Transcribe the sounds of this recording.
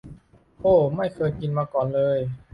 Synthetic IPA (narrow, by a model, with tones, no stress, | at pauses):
ʔoː˧˥˩ma˥˩jkʰɤː˧jki˧nmaː˧kɔː˨˩nlɤː˧j